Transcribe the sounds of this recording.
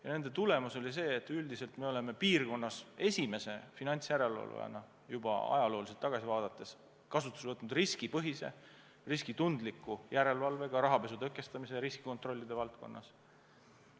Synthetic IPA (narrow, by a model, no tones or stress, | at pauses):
jɑne̞nd̪̥e̞t̪ule̞muso̞lis̬e̞ːt̪ːˑyld̪ise̞lt̪me̞o̞le̞me̞piːrko̞nːɑse̞sʲime̞se̞finɑnʲt̪sjæɾe̞lvɑ̰lvḛɑ̰nɑ | jubɑ̰ɑ̰jɑlo̞ːliselt̪ːˑɑɡ̥ɑsivɑːd̪̥ɑt̪ːˑe̞s | kɑsut̪ːˑu̥svɤt̪nud̪riskipɤɦise̞̰ | riskit̪und̪likːˑujæɾe̞lvɑlve̞ɡ̥ɑɾɑɦɑpe̞s̬ut̪ɤkːˑe̞st̪ɑmise̞ɾiski̥ko̞nt̪ˑro̞lːid̪̥e̞vɑlt̪̚ko̞̰nːɑ̰s